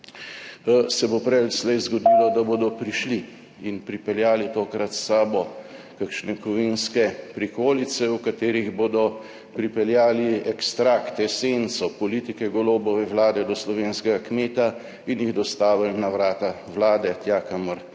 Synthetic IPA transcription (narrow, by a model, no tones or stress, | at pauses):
sɛbopɾɛlslɛjzɡɔd̪iːlɔd̪aboːd̪ɔpɾiʃli | inpɾipɛljaːlit̪oːkɾat̪saːbɔkakʃnɛkɔʋinskɛpɾikoːlisɛwkat̪eːɾiɣboːd̪ɔ | pɾipɛljaːliɛkst̪ɾakt̪ɛsent̪sɔpɔlit̪ikɛɡɔloːbɔʋɛwlaːd̪ɛd̪ɔslɔʋeːnskɛɡakmeːt̪a | injiɣd̪ɔst̪aːʋilnaʋɾaːt̪awlaːd̪ɛt̪jaːkaməɾ